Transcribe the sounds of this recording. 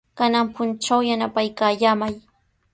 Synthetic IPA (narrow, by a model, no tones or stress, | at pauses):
kanampʊnt͡ʃawjanapajkaːjamaj